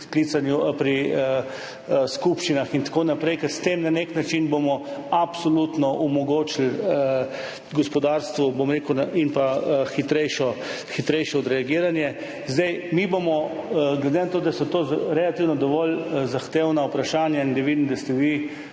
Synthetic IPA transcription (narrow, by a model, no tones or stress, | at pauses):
sklit̪sanjupɾiə | skupʃt͡ʃinaxint̪ḁkoːnapɾɛjkɛɾst̪emnaneknat͡ʃinbomɔapsɔlut̪nɔʔumɔɡoːt͡ʃilə | ɡɔspɔd̪aɾst̪ʋɔbomɾeːkuwnainpaxit̪ɾɛjʃɔ | xit̪ɾɛjʃɛɔd̪ɾɛaɡiːɾanjɛ | zd̪ɛjmibomɔɡled̪enat̪oːd̪asɔt̪oɾɛlat̪iwnɔd̪ɔʋɔlzaxt̪eːwnaupɾaʃaːnjaind̪ɛʋid̪nd̪ast̪ɛʋi